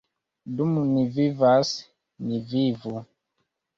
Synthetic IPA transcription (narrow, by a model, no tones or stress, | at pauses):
dumunivivas | nivivu